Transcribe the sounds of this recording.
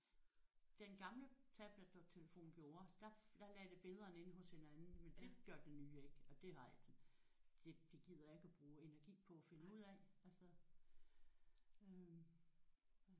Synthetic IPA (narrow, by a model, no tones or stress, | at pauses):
d̥enɡ̥ɑ̈mlət͡sʰæb̥ləd̥ot͡sʰe̝ləfo̝̰ːn̩ɡ̥jo̝ːɐd̥ɑ̈d̥ɑ̈lɛd̥e̝b̥e̝ðˠɐːne̝n̰ɦɔ̽she̝nænn̩mend̥e̝ɡ̥jɶɐd̥enyːe̝ɡ̥ɒ̽d̥e̝hɑ̈ | d̥e̝d̥e̝ɡ̥ið̰ˠɐjɑe̝ɡ̥æb̥ʁuːe̝næɐɡ̥ḭːpʰɒ̽æfe̝nəuð̰ˠɛælsɐ | ø